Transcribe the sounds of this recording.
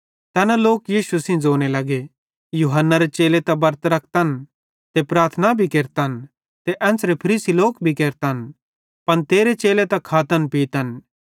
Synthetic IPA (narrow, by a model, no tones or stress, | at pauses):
t̪ɛːnaloːkjiːʃusĩd͡zoːñelɐɡe | juɦənːaɾet͡ʃeːlet̪ɛbɐɾt̪ɾɐk̚ʰt̪ɐn | t̪epɾaːɾt̪ʰnabʱikeːɾt̪an | t̪eʔɛ̃ːnsɾepʰɐɾiːsiloːkbʱikeːɾt̪an | pɐnt̪eːɾet͡ʃeːlet̪ɐkʰaːt̪ənpiːt̪ən